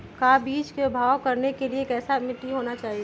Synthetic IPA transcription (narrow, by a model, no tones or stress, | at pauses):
kabiːt͡ʃkeʊbʱaːwkɐɾnekelieːkɛːsamɪʈiɦoːnat͡ʃaːɦie